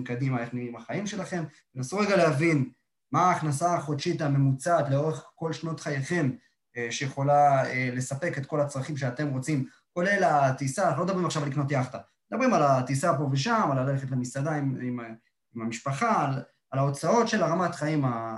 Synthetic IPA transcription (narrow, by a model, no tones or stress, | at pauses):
mkad̪imaeχniimaχaimʃe̞laχe̞mbenasuʁeɡalehavin | maːχnasaχodʃitame̞mut͡sat̪leo̞ʁeχko̞lʃno̞tχajeχe̞m | ʃejeχo̞laele̞sape̞ket̪ko̞lat͡sʁaχimʃ̬eate̞mʁo̞t͡sim | ko̞le̞latisalod̪abʁimaχʃavalikno̞t̬jaχt̪a | d̪abʁimalat̪isapo̞veʃ̬amalaleχetlemisadaimim | imamiʃpaχalː | lao̞t͡sao̞tʃe̞laʁamatχaima